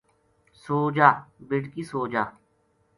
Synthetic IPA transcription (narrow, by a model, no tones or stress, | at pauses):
soːd͡ʒaːbɪɽkiːsoːd͡ʒaː